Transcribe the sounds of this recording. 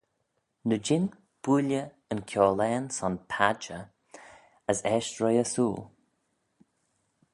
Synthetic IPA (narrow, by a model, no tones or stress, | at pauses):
nəd͡ʒɪn | b̥ulə | ənkʲʰɔːlɛːnsɔnpʰad͡ʒə | əsɛːʃtɹɔjəsuːl